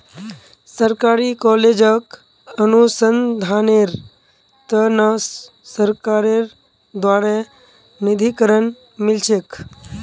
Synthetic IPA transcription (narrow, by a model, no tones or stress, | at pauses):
səɾkaːɾikɔːleːd͡ʒək | ənusənd̪ʱaːneɾ | t̪ənə | səɾkaːɾeɾ | d̪waːɾe | nid̪ʱikəɾən | mɪlt͡ʃʰek